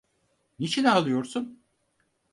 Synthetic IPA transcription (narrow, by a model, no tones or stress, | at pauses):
nit͡ʃʰinalˠɯjo̞ɾsun